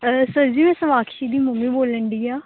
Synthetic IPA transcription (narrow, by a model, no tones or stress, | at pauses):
səɾd͡ʒiːmɛ̃ːsəʋaːkʰʃiːd̪iːmʊmĩːboːləɳɖ̪iːaː